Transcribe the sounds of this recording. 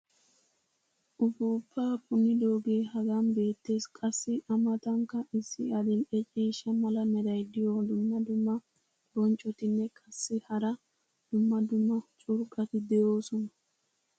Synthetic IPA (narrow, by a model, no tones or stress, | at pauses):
ʔʊfuːpːaːpʰʼʊnːɪd̪oːɡeːɦɐɡanbe̞ːt̪ːe̞ːskʼɐsːɪʔɐmɐt̪ɐŋkːɐʔɪsːɪɐd̪ɪlɛt͡ʃʼiːʃɐmɐlɐmɛd̪ɐjd̪ɪjod̪ʊmːɐd̪ʊmːɐ | bɔnt͡ʃʼːɔt̪ɪnːɛkʼɐsːɪhɐɾɐ | d̪̥ʊmːɐd̪ʊmːɐt͡ʃʼʊɾkʼːɐt̪ɪd̪ɛjo̞ːsɔnɐ